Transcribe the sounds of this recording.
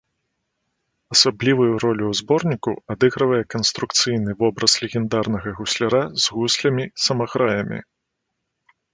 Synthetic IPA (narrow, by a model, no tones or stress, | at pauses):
ɐsablʲivɐjuɾɔlʲuwzbɔrnʲikɐwad̪ɨɣɾɐvɐjɛkɐnst̪ɾukt̪sɨjnɨvɔbɾɐslʲɛɣʲɛnd̪arnɐɣɐɣusʲlʲaɾazɣusʲlʲɐmʲisɐmaɣɾajɐmʲḭ